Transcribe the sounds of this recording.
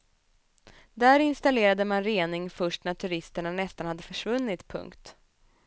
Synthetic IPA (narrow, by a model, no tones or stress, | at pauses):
d̪æɾɪnst̪aleːɾad̪əmanɾeːnɪŋfœʂʈnæʈ̪ʰɵɾɪst̪əɳanɛst̪anhad̪ːəfœʂvɵnːɪt̪pʰɵ̰ŋkt̪